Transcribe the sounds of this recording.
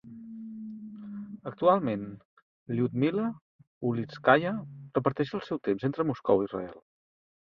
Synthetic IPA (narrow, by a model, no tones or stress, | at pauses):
ək̚t̪ualˠmen | liut̪̚milə | uliskajərəpəɾt̪ɛʃəlˠsɛwt̪emzent̪ɾəmuskɔ̰wirə̰ɛ̰lˠ